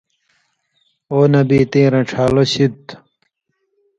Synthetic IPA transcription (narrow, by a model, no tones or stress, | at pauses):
oːnɐbiːt̪ĩːɾɐ̃ʈ͡ʂʰaːloɕit̪